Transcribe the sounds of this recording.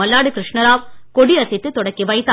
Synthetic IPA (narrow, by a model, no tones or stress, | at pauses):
ɐlːaːɽɯkɾɪʂɳɐɾaːʋkɔɽiɐsɪt̪ːɯt̪ːɔɽɐkːiʋɐɪt̪ːa